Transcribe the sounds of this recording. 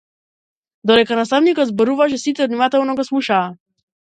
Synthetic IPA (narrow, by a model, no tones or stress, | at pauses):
d̪ɔd̪ɛkanast̪avnikɔd̪zbɔɾuvaʃ̬ɛsit̪ɛɔd̪nimat̪ɛlˠnɔɡɔsmˠuʃaː